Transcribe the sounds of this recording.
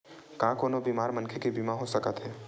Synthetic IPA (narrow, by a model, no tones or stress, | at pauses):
kãːkoːnobiːmaːɾmɐnkʰekibiːmãɦosəkət̪ɦɛː